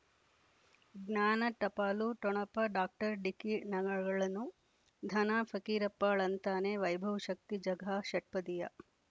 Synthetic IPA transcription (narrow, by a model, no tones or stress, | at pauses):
ɡnaːnɐʈɐpaːluʈɔɳɐpɐɖaːk̚ʈɐɾɖikinɐɡɐɡɐɭɐnu | d̪ʱɐnaːfʰɐkiːɾɐpːaːɭɐnt̪aːneʋɐjbʱɐʋɐʃɐk̚t̪id͡ʒɐɡʱaːʃɐʈ̚pɐd̪ijɐ